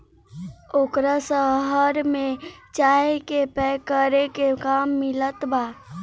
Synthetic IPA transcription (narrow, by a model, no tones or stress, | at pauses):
okɾasəɦəɾmet͡ʃaekepɛkəɾekekamːɪlət̪ba